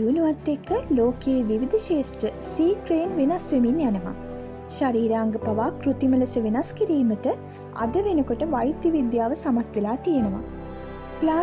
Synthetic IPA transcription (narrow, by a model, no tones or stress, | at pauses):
uniʋat̪ːekːəloːkeːʋiʋid̪əʃeːsʈɾəsiːkɾeːnʋenasʋeminjanəʋa̰ | ʃaɾiːɾaːŋɡəpaʋaːkɾut̪imələsəʋenaskiɾiːmətə | a̰d̪əʋenəkoʈəʋajd̪jəʋid̪jaːʋəsamat̪ʋelaːt̪ijenəʋa̰ | plaː